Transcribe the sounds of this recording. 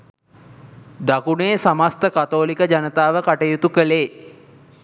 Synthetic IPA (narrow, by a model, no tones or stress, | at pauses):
d̪akuneːsamast̪əkat̪oːlikəd͡ʑanət̪aːʋəkaʈəjut̪ukəleː